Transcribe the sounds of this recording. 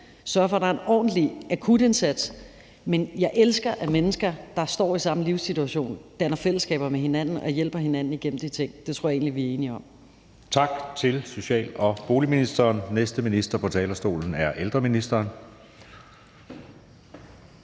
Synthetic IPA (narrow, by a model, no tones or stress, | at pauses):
sɶɐfɒ̽d̥ɑ̈ɐe̝nɒ̰ːdn̩d̥liʔækʰud̥e̝nsæd̥s | menjɑ̈ɪʔelsɡ̥ɐʔæmenəsɡ̥ɐd̥ɑ̈sd̥ɒ̰ːisɑ̈məliʊsit͡sʰuæɕo̝̰ːnd̥ænɐfel̰əsɡ̥ɛ̰ːb̥ɐmeɦe̝næn̰n̩ɒ̽jel̰b̥ɐɦe̝næn̰n̩iɡ̥en̰m̩d̥it͡sʰe̝ŋ̰d̥e̝t͡sʰoɔɐ̰ɐe̝ːnliʋiæɐe̝ːniɒ̽m | t͡sʰɑ̈ɡ̥t͡sʰe̝lso̝ɕɛ̰ːlɒ̽b̥o̝ːliminisd̥ɐːnnesd̥əminisd̥ɐpʰɒ̽t͡sʰɛːlɐsd̥o̝̰ːln̩æɐʔeld̥ʁɐminisd̥ɐːn